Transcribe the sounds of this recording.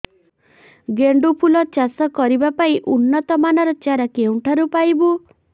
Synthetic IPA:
ɡeɳɖupʰulɔt͡ʃasɔkɔɾibapaĩʔunːɔt̪ɔmanɔɾɔt͡ʃaɾakeũʈʰaɾupajbu

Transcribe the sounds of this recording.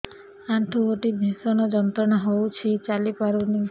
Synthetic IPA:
ãʈʰuoʈib̪ʱisonod͡ʒɔnt̪ɾəɳɔɦout͡ʃʰet͡ʃalipaɾuni

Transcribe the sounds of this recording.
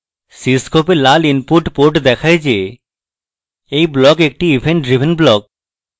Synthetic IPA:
siskopeɾlalinpuʈpoɾʈd̪ɛkʰaed͡ʑe | ejblɔkek̚ʈiibʱeɳʈɖɾibʱenblɔk̚

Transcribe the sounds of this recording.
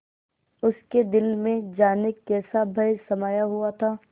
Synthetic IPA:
ʊsked̪ɪlmẽd͡ʒaːnɪkːɛːsabʱɐjsɐmaːjaɦʊat̪ʰaː

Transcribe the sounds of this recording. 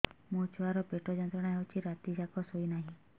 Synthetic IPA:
mũt͡ʃʰaɾɔpeʈɔd͡ʒɔnt̪ɔɽ̃aɦewt͡ʃʰiɾat̪id͡ʒakɔsoinaɦĩ

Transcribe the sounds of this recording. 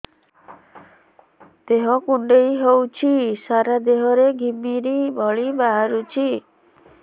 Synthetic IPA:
d̪̥eɦɔkuɳɖejɦewt͡ʃʰisaɾad̪eɦɔɾeɡʱimiɾibʱɔɭibaɦaɾut͡ʃʰi

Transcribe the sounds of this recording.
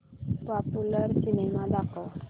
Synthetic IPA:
pɔpuləɾsinemãd̪ako

